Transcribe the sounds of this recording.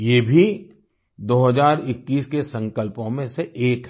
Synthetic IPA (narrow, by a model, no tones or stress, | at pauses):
jeːbʱi | d̪oːɦəzaːɾɪkːiːskesɐ̃ŋkəlpõmẽseʔeːkɦ